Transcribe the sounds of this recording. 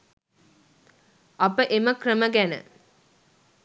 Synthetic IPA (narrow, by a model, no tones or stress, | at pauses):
apəʔeməkrəməɡænə̰